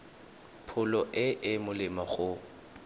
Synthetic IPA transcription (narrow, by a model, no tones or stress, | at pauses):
pʰʊlɔʔɪʔɪmʊlɪmaχʊ